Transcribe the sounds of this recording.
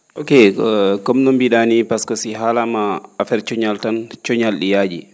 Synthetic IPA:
ʔokekɔmnɔmbiɗanipaskɔsiɦalamaːfɛɾt͡ʃɔɲaltant͡ʃɔɲalɗijad͡ʒḭ

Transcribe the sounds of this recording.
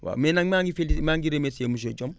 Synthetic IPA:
wa̰menaŋmaŋɡifelimaŋɡiɾemesemuʃ̬oɟom

